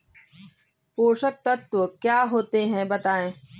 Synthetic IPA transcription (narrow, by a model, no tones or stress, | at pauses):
poːʃət̪ːɐt̪wəkjaːɦoːt̪eɦɛ̃bɐt̪aːẽː